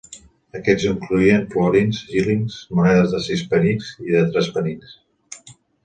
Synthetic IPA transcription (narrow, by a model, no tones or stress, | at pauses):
əkɛziŋkluiənplɔɾinzʒiliŋzmunɛðəzðəsispəninziðət̪ɾɛspənins